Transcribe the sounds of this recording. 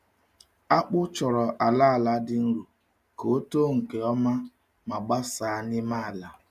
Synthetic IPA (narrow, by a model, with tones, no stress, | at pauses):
a˦k͡pʊ˦t͡ʃɔ˨ɾɔ˨ʔa˨la˦a˨la˨˦dɪ˦n̩˦ɾu˨ | ko˨˦to˦ŋ̩˨ke˨ɔ˦ma˦ | ma˨ɡ͡ba˦saː˨a˦nɪ˦ma˦a˨la˨